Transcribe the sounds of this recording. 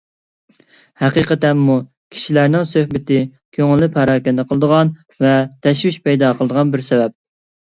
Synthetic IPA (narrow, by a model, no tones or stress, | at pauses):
hæqiqət̪ɛnmu | kʲʰi̥ʃilæɾnɪŋsøhbɪt̪ɪ | kʲʰøŋɪlːɪpʰæɾɑːkʲɛnd̪əqʰəlˠd̪əʁɑn | vɛt̪ʰɛʃwyʃpɛjd̪ɑqʰəlˠəd̪əʁɑnbɪɾsɛvɛp̚